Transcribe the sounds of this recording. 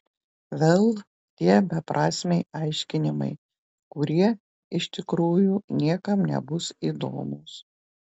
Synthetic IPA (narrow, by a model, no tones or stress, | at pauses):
ʋʲeːlˠ | t̪ʲiɛbʲɛpɾʔɑːsʲmʲɛɪɐɪʃʲkʲɪnʲɪmɐ̰ɪ | kʊɾʲiɛ | ɪʃʲt̪ʲɪkɾuːjuːnʲiɛkɐmnʲɛ̰bʊsiːd̪o̰ːmuːs